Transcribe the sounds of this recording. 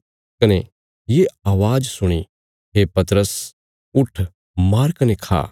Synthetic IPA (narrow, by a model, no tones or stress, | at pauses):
kɐne | jeaːʋaːd͡ʒsʊɽ̃i | ɦepɐt̪ɾəs | ʊʈʰ | maːɾkɐnekʰa̰ː